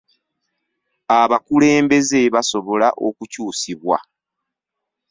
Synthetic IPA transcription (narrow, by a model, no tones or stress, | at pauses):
aβakule̞ːmbe̞zeβaso̞βo̞laʔo̞kucuːsiβwa̰